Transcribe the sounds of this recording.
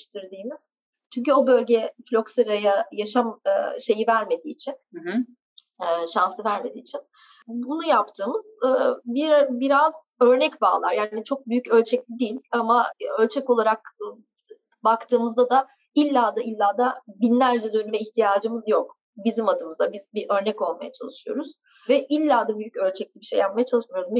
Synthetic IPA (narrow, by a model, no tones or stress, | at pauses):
ʃt̪ʰiɾd̪iːmiz̥ | t͡ʃʰyɲcyo̞bø̞lʲɟɛflʲo̞kseɾajajaʃamɯʃe̞jivæɾme̞d̪iːt͡ʃʰin | ɛːʃansɯvæɾme̞d̪iːt͡ʃʰin | bunujapt̪ʰɯːmɯz̥ɯːbibiɾaz̥ø̞ɾnɛcba̰ːlˠa̰ɾjaːnit͡ʃʰo̞k̚byjycø̞lʲt͡ʃʰɛc̚lʲid̪ijlʲamaølʲt͡ʃʰɛcolˠaɾak̚ː | bakt̪ʰɯːmɯzd̪ad̪a | ilʲːaːd̪ailʲːaːd̪abinlʲæɾd͡ʒɛd̪ønymɛiçt̪ʰijaːd͡ʒɯmɯzjo̞k | bizimad̪ɯmɯzabizbiʔø̞ɾnɛco̞lˠmajat͡ʃʰa̰lˠɯʃɯjo̞̰ɾuz̥ | vɛʔilʲːaːd̪abyjycø̞lʲt͡ʃʰɛclʲibiʃejap̚majat͡ʃʰalˠɯʃmijo̞ɾuz